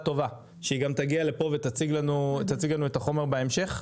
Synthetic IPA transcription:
t̪o̞va | ʃeiɡamt̪aɡiale̞po̞vet̪at͡siɡlanut̪at͡siɡlanue̞t̪aχo̞me̞ʁbeemʃe̞χ

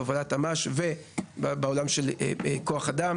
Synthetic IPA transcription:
avolatamaʃvebbeo̞lamʃe̞l̰ekoaχad̪am

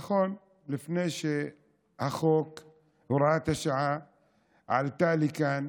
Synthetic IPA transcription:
xoːn | lɪfneːʃe | ʔaxoːk | ɾˤaːt̪aʃaʕa | ʕa̰lt̪aːlikaːn

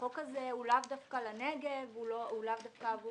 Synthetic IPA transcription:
okazeulavdafkalaneɡevuloulavdafkav

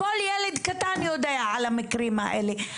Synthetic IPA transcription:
oljɛlid̪kat̪aːnjod̪ajaʕalamɪkɾiːma̰ʔeli

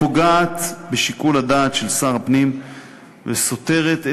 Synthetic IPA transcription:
oɡaːt̪beʃikulad̪aːt̪ʃelsaʁapnim | veso̞t̪e̞ʁet̪e

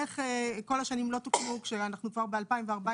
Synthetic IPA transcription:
eχeko̞laʃanimlo̞t̪ukmukʃeanaχnukvaʁbealpaimveaʁba

